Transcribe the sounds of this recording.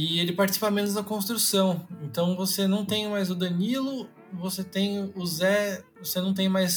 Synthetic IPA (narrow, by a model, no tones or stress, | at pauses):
ɪelɪpaɾt͡ʃisipɐmẽnʊzd̪ɐkõst̪ɾusɐ̃w̃ẽnt̪ɐ̃w̃vosenɐ̃w̃t̪ẽj̃majzʊd̪ɐnilʊ | voset̪ẽj̃ʊzɛvosenɐ̃w̃t̪̬ẽj̃majs